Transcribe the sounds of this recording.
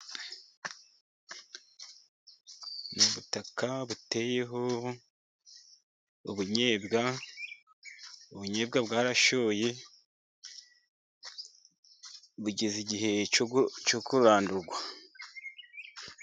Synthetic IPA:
nuβutakaβute̞ːje̞ɦo̞ | uβuɲeːbɡa | uβuɲe̞ːbɡabɡaːɾaʃo̞ːje̞ | βuɟeziɟiɦe̞t͡ʃokuɾaːnduɾɡwa

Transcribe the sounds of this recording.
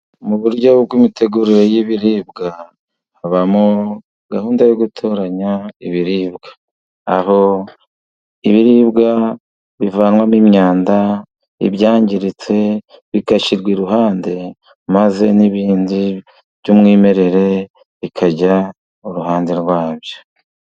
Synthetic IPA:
muβuɾjɟo̞bɡwimite̞ɡuɾiɾejiβiɾiːbɡaː | βamo | ɡahuːndajoɡutʰo̞ːɾaɲaiβiɾiːbɡḁː | ho̞ | iβiɾiːbɡa | βivaːnwamimɲaːnda | ḭβjaːɲɟiɾit͡se̞βikaʃiɾɡwiɾuɦaːnde̞ | maze̞niβiːndi | βjumŋiːme̞ɾe̞ɾe̞ | βikʰaɟa | uɾuɦaːnde̞ɾwaːβjo̞

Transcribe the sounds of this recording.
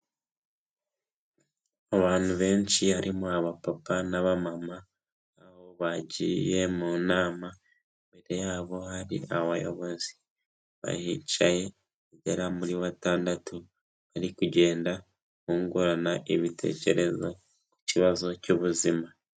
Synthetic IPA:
aβaːn̥huβe̞ːɲt͡ʃihaɾʔimuaβapapanaβamamaː | ho̞βaɟḭje̞munaːma | embe̞ɾe̞jaːβo̞haɾḭʔaβajo̞̰βo̞zi | βa̰hit͡ʃaje̞ | eɟeɾamuɾiβataːndatʰu | βaɾikuɟe̞ːnda | kuːŋɡuɾanaʔiβitʰe̞̰ce̞ɾe̞zo | ku̥ciβazo̞cuβuzima

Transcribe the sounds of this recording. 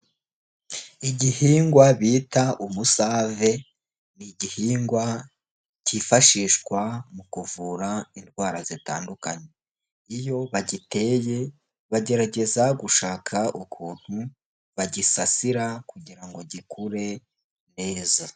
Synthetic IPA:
iɟihiːŋɡwaβiːtaʔumusave̞ | niɟihiːŋɡwa | cifaʃiːʃkwamukuvuːɾainɡwaːɾazita̰ːndukaɲe̞ | ijo̞βaɟite̞je̞ | βaɟe̞ɾaɟe̞zaɡuʃaːkʰaʔukʰuːn̥hu | βaɟisasiɾakuɟiɾaŋɡo̞ɟikʰuɾe̞ | ne̞ːza

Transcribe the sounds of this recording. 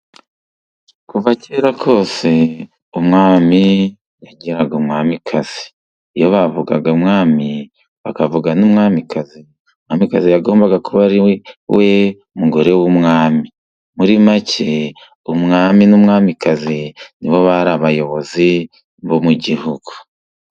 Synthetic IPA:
kuvaceɾakʰo̞ːse̞ | umŋaːmi | jaɟiɾaɡumŋaːmikʰaz̥iː | joβavuɡaɡaumŋaːmi | βakavuɡanumŋaːmikʰazi | mŋaːmikazijaɡo̞ːmbaɡakuβaɾiwʔe̞umuɡo̞ɾe̞wumŋaːmi | muɾimacʰe | umŋaːminumŋaːmikaziniβo̞βaɾaβajo̞βo̞zi | mbomuɟihuɡ̥u̥

